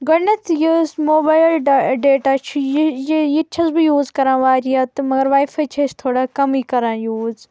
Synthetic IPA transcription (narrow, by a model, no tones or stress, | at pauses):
ɡɐnɐt̪ʰjuzmoːbaːjllɖeːʈaːt͡ʃʰujjjit͡ʃʰɐzbijuːzkɐɾãːʋaːɾijɐt̪ɨmɐɡɐɾʋaːjfɐt͡ʃʰɐst̪ʰoːɽaːkɐmiːkɐɾãːjuːz